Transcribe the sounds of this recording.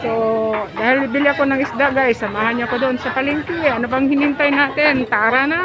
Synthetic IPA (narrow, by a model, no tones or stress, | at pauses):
sod̪aːhɪlɪbɪlɪakonɐŋɪsd̪aʔɡajsːɐmaːhanɲaɐkod̪oʔonsɐpalɪŋkɪʔɐnobaŋhɪnɪnt̪ajnaːt̪ɪnt̪aʔaɾana